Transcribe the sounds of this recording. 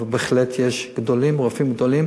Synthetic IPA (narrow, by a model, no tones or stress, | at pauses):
beχlet̪ʰjeʃɡ̥d̪olimʁofimɡd̪o̞lim